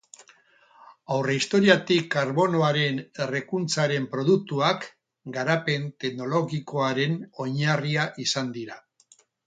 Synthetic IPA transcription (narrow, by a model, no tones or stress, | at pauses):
awreist̪o̞ɾiat̪ikːaɾβo̞noaɾe̞ne̞re̞kunt͡saɾe̞mpɾo̞ðuk̚t̪uak | ɡaɾape̞nt̪e̞ɣno̞lo̞ɣiko̞aɾe̞no̞ɲariaʔisand̪iɾa